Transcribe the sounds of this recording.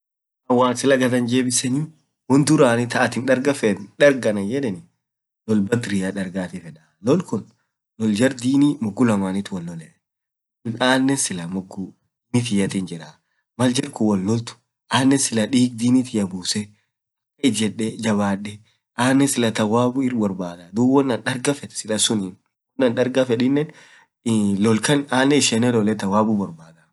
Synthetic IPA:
ʔɐwːaːnsɪlɐɡɐd̪ɐnd͡ʒeːbɪsɛni | wɔnd̪ʊɾaːnɪt̪ɐʔɐt̪ɪnᶑɐɾɡɐfɛnᶑɐɾɡɐnɐjɛᶑɛnɪ | lɔlbɐt̪ɾɪjaᶑɐɾɡaːt̪ɪfɛᶑaːlɔlkʊn | lɔld͡ʒɐɾd̪iːnimʊɡːʊlɐmaːnɪt̪ʊwɐlːɔlɛʔ | naːnːɛsɪlɐmʊɡːʊ | mɪt̪̬ɪjɐt̪ɪnd͡ʒɪᶑa | mɐld͡ʒɐɾkʊwɐlːɔlt̪ʊ̥ | ʔaːnːɛsɪlɐᶑiːɡ̚d̪iːnit̪ɪjɐbuːsɛ | ɐkːɐɪd͡ʒɛᶑːɛd͡ʒɐβaːᶑɛ | ʔaːnːɛsɪlɐt̪ɐwaːbʊɪrbɔɾbaːd̪ɐd̪uːwɔnːɐnᶑɐɾɡɐfɛd̪sɪlɐsʊnin | kʊnɐnᶑɐɾɡɐfɛᶑɪnːɛn | lɔlkɐnaːnːɛɪʃɛnɛlɔlɛt̪ɐwaːbʊbɔɾbaːd̪ɐ

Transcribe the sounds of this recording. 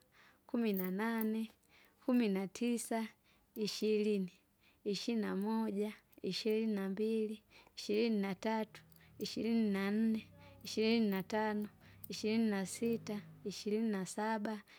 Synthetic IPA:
kuminananɛ | kʰuminatʰisa | iʃiɾini | iʃiinamɔʄaiʃiɾininambiliiʃiɾininatatu̥ | iʃilininan̩nɛiʃiɾininatanɔiʃiɾininasitaiʃiɾininasaɓa

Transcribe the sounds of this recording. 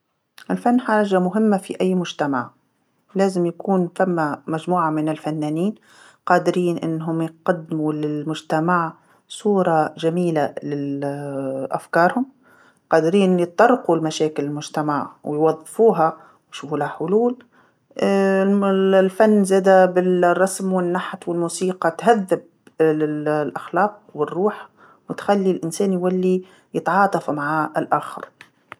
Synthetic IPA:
ʔɪlfanːħɑɾˤɑd͡ʒamʊɦɪmːafiʔajːmʊʒt̪amaʕ | laːzɪmjakuːnfamːamaʒmuːʕamɪnɪlfanːaːniːn | qɑːd̪ɪɾiːnʔɪ̰nːɦʊmjqɑd̪ːɪmulɪlmʊʒt̪amaʕ | sˤuːɾˤɑʒamiːlalɪ | ʔa̰fkɑːɾˤhʊm | qɑːd̪ɾiːnjɨt̪ˤːɑɾˤːqulmaʃaːkɪlɪlmʊʒt̪amaʕwjwɑðˤːfuːɦa | wʃuːfulaħʊluːl | lfanːzɛːd̪abɪlrˤːɑsmwɪnːaħt̪ˤwɪlmuːsiːqɑt̪ɦaðːɪb̚ | lɪlʔaxlɑːq̚wɪrːuːħ | wɪt̪xalːilʔɪnsæːnjwælːi | jɪt̪ʕɑːt̪ˤɑfumaʕaɪlʔaxɪ̰ɾ

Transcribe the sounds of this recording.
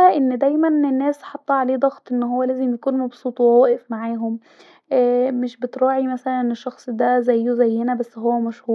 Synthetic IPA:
æʔenːd̪æjmænenːæːsħɑt̪ˤːɑʕaleːd̪ˤɑɣt̪ˤʔenːɦowːælæːzemjækuːnmɑbsˤuːt̪ˤwhowæːʔefmaʕaːɦom | ʔmeʃbet̪ɾˤɑːʕimæsælnæneʃːɑxsˤd̪æzæjːozæjːhenæbæsːɦowːæmæʃhuː

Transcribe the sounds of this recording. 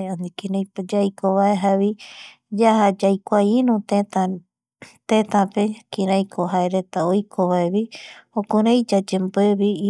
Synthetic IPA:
anikĩɾajpd͡ʒajkʰoβaeɦaβi | d͡ʒahad͡ʒajkʷainũt̪ẽt̪a | t̪ẽt̪ãpekĩɾajkʰoɦaeɾet̪aojkʰoβaeβiokũɾãjd͡ʒad͡ʒembeβi

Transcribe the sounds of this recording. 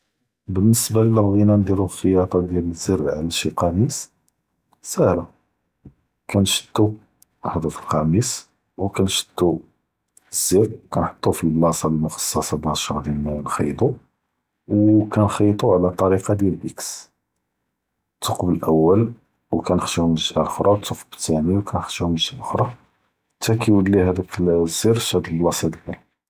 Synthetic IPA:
bənːəsbailəlɣinænd̪iɾuxəjɑt̪ˤɑd̪jæləziɾʕlæʃiqɑmis | sæhɾa | kænʃə̥t̪ːu | aħd̪ˤɑfilqɑmis | wkænʃə̥t̪ːu | z̥ːiɾkænħə̥t̪ˤːufilːɑsˤɑlmʊxɑ̥sˤːɑsɑbɑɾˤʃɑd̪jælmæwnxɑjd̪ˤu | wkænxɑjt̪ˤuʕlæt̪ˤːɑɾiqɑd̪jælbiks | t̪ːuqbəlʔəwːəl | wkænəxʃihməʒæʔʊxɾˤɑt̪ʰːuqbə̥t̪ːæniwkʰænəxʃihməʒæʔxɾˤɑ | t̪ækiwəlːihæd̪ækzːiɾʃæd̪əlːɑsˤɑd̪bæl

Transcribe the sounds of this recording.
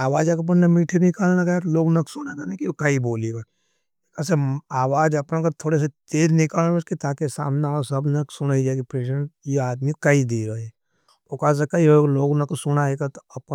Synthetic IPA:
aːʋaːd͡ʒakɐp̬nnɐmiːʈʰinɪkaːlnakat̪loːɡnɐksʊnaɡanakikɐiboːleɡa | ekaseaːʋaːd͡ʒɐpnãkɐt̪ʰoːɽes̬et̪eːɾnɪkaːlaɐskit̪aːkesa̰ːmneasɐbnɐksʊnaid͡ʒakipɾeːʃəjeaːd̪mikɐid̪iːɾɐɦeɛ | okaːs̬ekɐioloːɡnɐksʊnaeɡat̪oɐp

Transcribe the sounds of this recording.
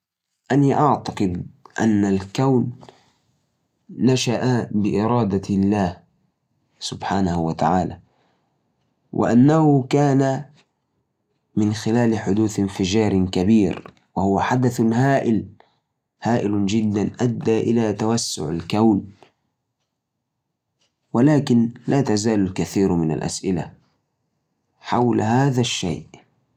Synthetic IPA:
ʔaniʔaʕt̪ɑqɨd̪ʔa̰nːalkawn | aʃaʔabɪʔɪɾˤɑːd̪alːaːh | sʊbħaːnahwat̪aʕaːla̰ | wʔɪ̰ʔa̰nːahʊkaːna | mɪnxɪlaːlɪħʊd̪uːθɪnfɪd͡ʒɑːɾkabiːɾ | wahʊwaħad̪aθhaːʔɪl | haːʔɪld͡ʒɪd̪ːanʔad̪ːaʔɪ̰lat̪awasːʊ̰ʕa̰lkawn | walaːkɪnlaːt̪azaːlalkaθiːɾmɪna̰lʔa̰sʔɪla̰ | ħawlhaːðaʃːa̰ːʔ

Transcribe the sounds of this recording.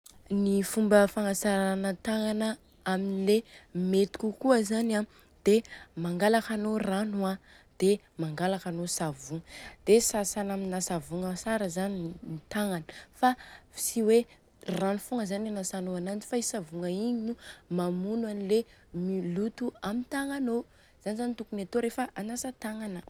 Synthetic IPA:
nifumbəfaŋasaɾanət̪aŋanə | aminilemet̪u̥kʲukuəzana | d̪̥emaŋɡalakanoranua | d̪̥e | maŋɡalakanosavuŋəd̪̥esasanaminasavuŋəsaɾəzaninit̪aŋanəfafi̥siwe | ranufuŋəzananasanoanand͡zi̥faisavuŋəiɲinumamunwanile | milut̪uamint̪aŋano | z̥anizanit̪ukunet̪oɾefəʔanasət̪aŋanə

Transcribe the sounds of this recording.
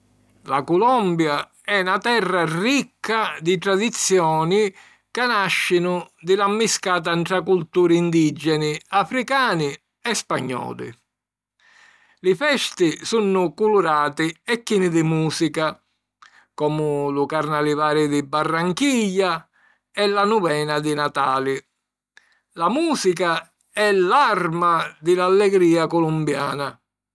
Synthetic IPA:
la̰kulɔmbja | ɛnat̪ɛrːarikːad̪it̪ɾad̪it̪sːjɔːni | kanaʃːɪnʊd̪ɪlamːiskaːt̪̬ant̪ɾakult̪uːɾːnd̪id͡ʒːɛnɪafɾikaːnɪ | ɛspaɲːɔ̰ːlḭ | lɪfɛst̪ɪsunːʊkuluɾaːt̪iɛkːinid̪imuːsika | kɔːmʊlukarnalivaːɾɪd̪ibːarːaŋkiʎːa | ɛlːanuvɛːnad̪inat̪aːli | lamuːsika | ɛlarmad̪ɪlalːɛɡɾiːakɔlumbja̰ːna

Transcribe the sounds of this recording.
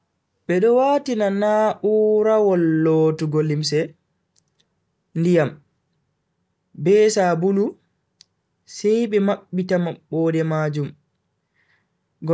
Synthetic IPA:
ɓɛɗɔwaːtinanaʔuːɾawɔlːoːtuɡolims̬ɛ | ndijam | bɛsabulu | sɛjɓɛmaɓːitamaɓːɔːdɛmaːd͡ʒum | ɡ

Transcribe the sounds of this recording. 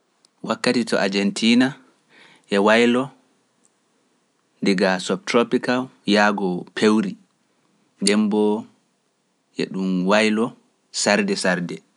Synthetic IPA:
wakːatitɔ̰ʔad͡ʒɛntʰiːna | ʔɛwajlɔ | ndiɡasɔp̚tɾopikaljaːɡɔpʰewɾi | dɛmbɔ | ʔɛ̰ɗumwajlɔ | saɾdɛsaɾdɛ

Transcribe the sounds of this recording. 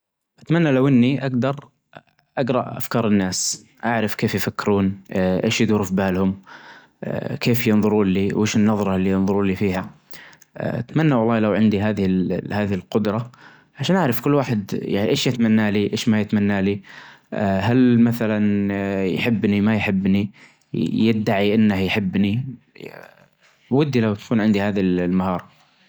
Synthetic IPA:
ʔat̪manːalawʔɪnːiʔaɡd̪ɑɾˤ | ʔaɡɾˤɑʔʔa̰fkɑːɾˤɪnːaːs | ʔaʕɾɪfkeːfjfakːɪɾuːnʔeːʃjɪðuːɾʊfbaːlhʊm | keːfjɪnðˤʊɾuːnliːwʔeːʃɪnːɑðˤɾˤɑlːiːjɪnðˤʊɾuːliːfiːɦa̰ | ʔa̰t̪manːawɑlˤːɑːlawʕɪnd̪iɦaːðɪhɪlhaːðɪhɪlqʊd̪ɾˤɑ | ʕaʃaːnʔaʕɾɑfkʊlːwaːħɪd̪ja̰ʕiʔeːʃjɪt̪manːaːliʔeːʃmajɪt̪manːaːli | ɦalmaθalanjħɪbːnimajħɪbːni | jɪd̪ːaʕiʔɪnːahjħɪbːni | wɪd̪ːilawt̪ḁkuːnʕɪnd̪ihaːðillmahɑːɾˤɑ

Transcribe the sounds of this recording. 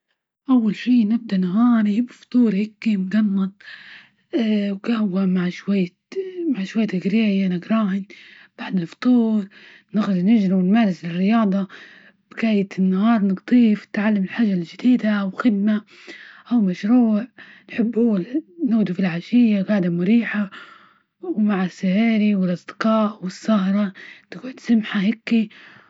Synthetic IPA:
ʔawːalʃiːnɪb̚d̪aʔnaɦɑːɾibɪft̪ˤuːɾhɪkːimɡɑnːɑd̪̚ˤ | wɡahwamaʕʃwajː | maʕʃwajːat̪ɪɡɾeːʕjanaɡɾˤɑːhɪnb̥aʕd̪ɪlft̪ˤuːɾ | nɪɣɾʊd̪nɪd͡ʒɾawɪnmaːɾɪslɪrːɪjɑːd̪ˤɑ | b̥ɪɡaːjɪt̪ɪnːahɑːɾˤnɪɡt̪ˤiːfnɪt̪ʕalːamɪlħaːʒald͡ʒɪd̪iːd̪aʔawxɪd̪̚ma | ʔawmaʃɾuːʕ | nħɪbːhʊːanuːd̪ufilʕaʃɪjːaɡaːʕd̪amʊɾiːħa | wmaʕasːahaːɾiwɪlʔɑsˤd̪ɪ̥qɑːʔwɪsːahɾˤɑnɪɡʕʊd̪samħahɪkːi

